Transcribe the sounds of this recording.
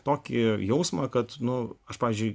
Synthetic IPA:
t̪oːkʲɪjɛʊsmɐkɐt̪nʊɐʃpɑːʋʲiːzʲd͡ʒʊɪ

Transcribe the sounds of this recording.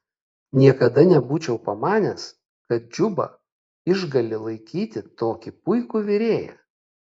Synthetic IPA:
nʲiɛkɐd̪ɐnʲɛbuːt͡ʃʲɛʊpɐmɑːnʲɛs | kɐt̪̚d͡ʒʲʊbɐ̰ | ɪʒɡɐlʲɪlˠɐɪkʲiːt̪ʲɪt̪oːkʲɪpʊɪkuːʋʲɪɾʲeːjæ̰

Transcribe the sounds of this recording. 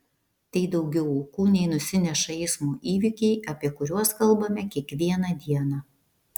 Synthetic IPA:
t̪ɐɪd̪ɒʊɡʲɛʊʊkuːnʲɛɪnʊsʲɪnʲɛʃɐɛɪsmuːʔiːʋʲɪkʲɛɪʔɐpʲiɛkʊɾʲuɔskɐlˠˑbɐmʲɛkʲiɛkʋʲiɛnɑd̪ʲiɛnɑː

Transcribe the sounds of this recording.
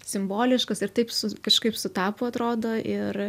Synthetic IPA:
sʲɪmboːlʲɪʃkɐsɪrt̪ɐɪpsʊkɐʃkɐɪpsʊt̪ɑːpʊɐt̪ɾoːd̪oːʔɪr

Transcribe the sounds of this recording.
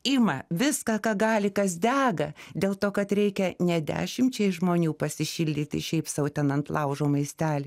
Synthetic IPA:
imɐʋʲɪskɑːkɑːɡɑːlʲɪkɐs̬d̪ʲæːɡɐd̪ʲeːlˠt̪oːkɐt̪ɾʲɛɪkʲɛnʲɛd̪ʲæ̰ːʃʲɪmʲt͡ʃʲɛɪʒmoːnʲuːpɐsʲɪʃʲɪlʲd̪ʲiːt̪ʲɪ̰ʃʲɛɪpsɑʊʊt̪ʲɛnɐnt̪lˠɐʊʒoːmɐɪsʲt̪ʲæːlʲɪ

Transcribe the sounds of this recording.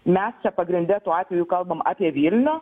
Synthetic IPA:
mʲɛst͡ʃʲɛpɐɡɾʲɪnʲd̪ʲɛt̪uːɑːt̪ʲʋʲɛjukɐlˠbɐmɑ̰ːpʲiɛʋʲilʲnʲoː

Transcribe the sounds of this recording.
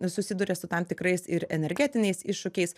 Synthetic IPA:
sʊsʲɪd̪ʊɾʲɛsʊt̪ɐmt̪ʲɪkɾɐɪsɪɾɛnʲɛɾʲɡʲæːt̪ʲɪnʲɛɪsɪʃʃʊkʲɛɪs

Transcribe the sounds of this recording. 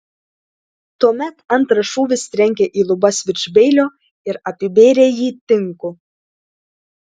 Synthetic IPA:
t̪uɔmʲɛt̪ɐnˑt̪ɾɐʃuːʋʲɪsʲt̪ʲɾʲɛŋʲkʲeːʔiːlˠʊbɐsʲʋʲɪt͡ʃʲbʲɛɪlʲoː | ɪɾɐpʲɪbʲeːɾʲeːjiːt̪ʲɪŋkʊ

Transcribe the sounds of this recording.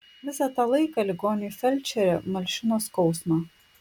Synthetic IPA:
ʋʲɪsɑt̪ɑːlˠɐɪkɑlʲɪɡoːnʲɪfʲɛlʲt͡ʃʲɛɾʲɛmɐlʲʃʲɪnoːskɒʊsmɑ

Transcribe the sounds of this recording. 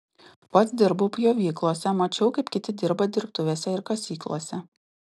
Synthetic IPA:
pɐt̪sd̪ʲɪɾbupʲjoːʋʲiːklˠoːsʲɛmɐt͡ʃʲɛʊkɐɪpkʲɪt̪ʲɪd̪ʲɪɾbɐd̪ʲɪɾpt̪ʊʋʲeːsʲɛɪɾkɐsʲiːklˠoːsʲɛ

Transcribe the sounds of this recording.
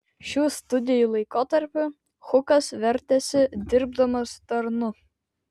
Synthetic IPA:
ʃʲuːst̪ʊd̪ʲɪjulˠɐɪkoːt̪ɐɾʲpʲʊ | xʊkɐsʋʲɛɾʲt̪ʲɛsʲɪd̪ʲɪɾb̚d̪ɐmɐst̪ɐɾnʊ

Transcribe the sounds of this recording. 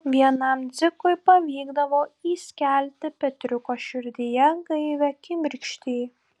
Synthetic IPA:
ʋʲiɛnɐmd̪zʲɪkʊɪpɐʋʲiːɡd̪ɐʋoːiːsʲkʲæˑlʲt̪ʲɪpʲɛt̪ʲɾʲʊkoːʃʲɪɾʲd̪ʲɪjɛɡɐɪʋʲɛkʲɪmʲɪɾʲkʃʲt̪ʲiː

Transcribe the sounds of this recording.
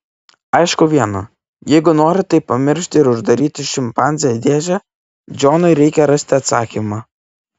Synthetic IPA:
ɐɪʃkʊʋʲiɛnɐ | jɛɪɡʊnoːɾʲɪt̪ɐɪpɐmʲɪɾʲʃʲt̪ʲɪɪɾʊʒd̪ɐɾʲiːt̪ʲɪʃʲɪmpɑˑnʲzʲejɛd̪ʲeːʒʲɛ | d͡ʒʲoːnɔɪɾʲɛɪkʲɛɾɐsʲt̪ʲɪɐt̪sɑːkʲimɑː

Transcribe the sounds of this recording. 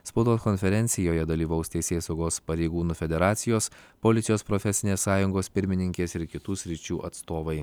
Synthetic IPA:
spɐʊd̪oːskɔnʲfʲɛɾʲɛnʲt̪sʲɪjoːjɛd̪ɐlʲiːʋɐʊst̪ʲɛɪsʲeːsɐʊɡoːspɐɾʲɛɪɡuːnʊfʲɛd̪ʲɛɾɑːt̪sʲɪjoːspolʲɪt̪ʲɪjoːspɾofʲɛsʲɪnʲeːsːɑːjʊŋɡoːspʲɪɾʲmʲɪnʲɪŋʲkʲeːsɪɾkʲɪt̪uːsʲɾʲɪt͡ʃʲuːʔɐt̪st̪oːʋɐɪ

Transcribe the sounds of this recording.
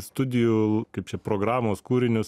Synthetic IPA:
st̪ʊd̪ʲɪjukɐɪp̚t͡ʃʲɛpɾoːɡɾɑːmoːskuːɾʲɪnʲʊs

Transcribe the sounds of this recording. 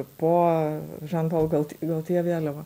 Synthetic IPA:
poːʒɑnboːlˠɡɐlˠt̪ʲɡɐlˠt̪ʲiɛʋʲeːlʲɛʋɐ

